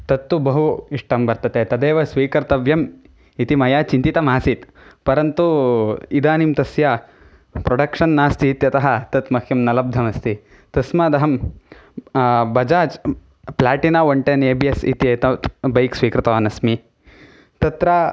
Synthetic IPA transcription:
t̪ɐt̪ːubɐɦuiʂʈɐmbɐɾt̪ɐt̪et̪ɐd̪eːʋɐsʋiːkɐɾt̪ɐʋjɐm | it̪imɐjaːt͡ʃint̪it̪ɐmaːsit̪ | pɐɾɐnt̪uid̪aːnimt̪ɐsja | pɾoɖɐkʂɐnːaːst̪ʰit̪jɐt̪ɐɦɐt̪ɐt̪mɐkʰjɐmnɐlɐb̚d̪ʱɐmɐst̪ʰi | t̪ɐsmad̪ɐɦɐm | bɐd͡ʒaːt͡ʃ | plaːʈinaːʋoɳʈeneːbiɐsḭt̪ijɐt̪ɐt̪bɐjksʋiːkɾɐt̪ɐʋaːnɐsmi | t̪ɐt̪ɾa

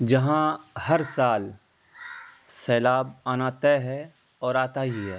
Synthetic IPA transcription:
d͡ʒɐɦãhɐɾsaːl | sɛːlaːbaːnaːt̪eɦɛ | ɔːɾaːt̪aɦiɦɛː

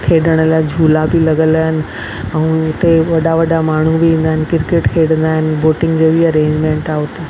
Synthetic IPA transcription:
kʰeːɖəɽ̃əljad͡ʑʱuːlabʱilɐɡələnɪ̆ | ə̃ũʊt̪eʋɐɖaʋəɖamaːɳ̤ubʱiĩːn̆d̪aɦɪnkɪɾkeʈkʰeɽənd̪aːɦɪnɪboːʈɪ̃ŋɡd͡ʑeʋiəɾẽːɲd͡ʑmẽɳʈaʋt̪e

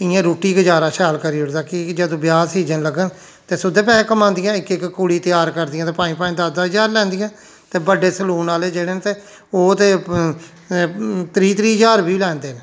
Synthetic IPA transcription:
ɪjãːɾoːʈiːɡəd͡ʒaːɾaːʃɛːlkəɾiːʊɽd̪aːkɪd͡ʒəd̪õːbjaːsiːd͡ʒənləɡən | t̪eːsʊd̪ẽːpɛːẽːkəmãːnd̪ɪjãːɪkɪkːkʊɽiːt̪ɪjaːɾkəɾd̪ɪjãt̪eːpaːĩːpaːĩːd̪aːd̪aːd͡ʒaːɾlɛ̃ːnd̪ɪjãː | t̪eːbəɖeːsəluːnaːleːd͡ʒeːɽeːnt̪eː | oːt̪eː | t̪ɾiːt̪ɾiːɦd͡ʒaːɾbiːlɛːnd̪eːneː

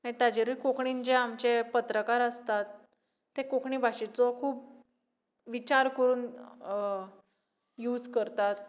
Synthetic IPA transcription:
ãt̪ad͡ʑeɾuikokɳind͡ʑeamt͡ɕepət̪ɾəkaɾəst̪at̪ː | ekokʰɳiːbʱaɕit͡sɔkʰuːp | ʋit͡ɕaɾkəɾuːn | juːd͡zkəɾt̪at̪̚

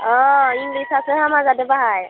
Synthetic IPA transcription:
ɔiŋɡlisaseɦamazad̪ebaɦaj

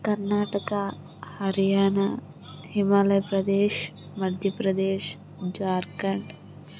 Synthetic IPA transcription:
kɐɾnaːʈɐka | hɐɾijaːna | himaːlɐjpɾɐd̪eːʃ | mɐd̪ʱjɐpɾɐd̪eːʃ | d͡ʒaːɾkɐɳɖ

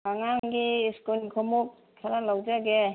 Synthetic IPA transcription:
aŋaŋɡiːskunkʰɔmuk̚ | tʰaɾalawd͡ʒaɡe

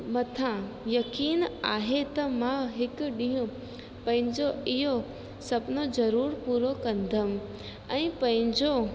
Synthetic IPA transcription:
mɐt̪ʰãjɐkiːnaːɦet̪ɐmãɦɪkʊɗĩɦũ | pɐ̃ɦɪ̃ɲd͡ʑoɪɦo | sɐbnod͡ʑɐɾuːɾpuːɾokɐ̃nd̪ʱəm | ɛ̃ːpɐ̃ɦɪ̃ɲd͡ʑo

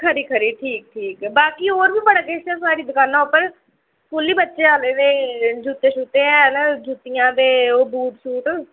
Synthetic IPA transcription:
kʰəɾiːkʰəɾiːʈʰiːk̚ʈʰiːkbaːkiːoːɾbiːbəɽaːkeːsɛːs̬aːɾiːd̪ʊkaːnãːʊpəɾ | kʊlːiːbətːʃeːaːleːd̪eːd͡ʒuːt̪eːʃuːt̪eːɛːnad͡ʒuːt̪ɪjãːd̪eːoːbuːʈsuːʈː

